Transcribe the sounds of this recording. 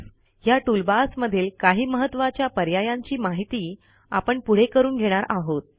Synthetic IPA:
jaʈulbasməd̪ʱiːlkaɦiːməɦət̪ːʋat͡ɕjapəɾjajaɲt͡ɕiːmaɦit̪iː | a̰pəɳpuɽ̤ekəɾuːnɡʱeɽ̃aɾʔaɦot̪̚

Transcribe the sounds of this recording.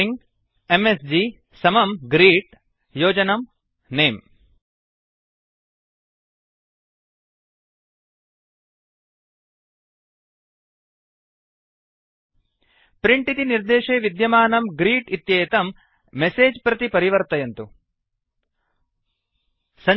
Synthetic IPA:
iŋɡ | emesd͡ʒiː | sɐmɐmɡɾiːʈ | joːd͡ʒɐnɐm | neːm | pɾiɳʈit̪iniɾd̪eːʂeːʋid̪jɐmaːnɐmɡɾiːʈit̪jeːt̪ɐmː | eseːd͡ʒpɾɐt̪ipɐɾiʋɐɾt̪ɐjɐnt̪u | sɐ

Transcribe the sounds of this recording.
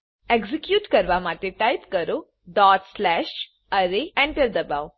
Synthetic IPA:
eɡzikjuːʈkəɾʋamat̪eʈajpkəɾo | ɖɔtslæʃ | əɾeɛ̃ɳʈəɾd̪əbaw

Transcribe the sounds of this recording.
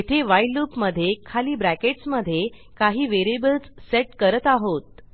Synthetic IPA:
et̪ʰeʋajluːpməd̪ʱːjekʰaliːbɾækeʈsməd̪ʱːje | kaɦiːʋeɾebəlt͡sseʈkəɾət̪aɦot̪̚

